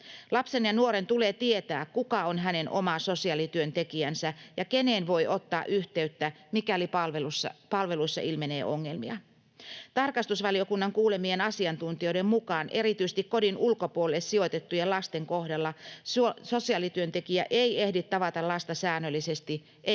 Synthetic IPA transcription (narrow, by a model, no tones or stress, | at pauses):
lɑpsenjɑnuoɾe̞nt̪uleːt̪ie̞t̪æːkkukɑonɦæne̞nʔo̞̰mɑso̞siɑlit̪yønt̪ekiænsæjɑkeneːnʋo̞iʔo̞t̪ːɑːʔyht̪e̞yt̪ːæ | mikælipɑlʋelusːɑpɑlʋe̞luisːɑ̰ʔilme̞ne̞̰ːʔo̞ŋːe̞lmḭɑ̰ | t̪ɑrkɑst̪usʋɑlio̞kunːɑŋkuːle̞mienɑsiɑnt̪unt̪io̞jdemmukɑːnʔe̞ɾit̪yise̥t̪ikko̞dinulkopuolːessio̞t̪et̪ːujelɑst̪eŋkohdɑlːɑsso̞siɑlit̪yønt̪e̞kiæ̰ʔeie̞hdit̪ːɑʋɑt̪ɑlɑst̪ɑsæːnːølːisest̪i | ʔe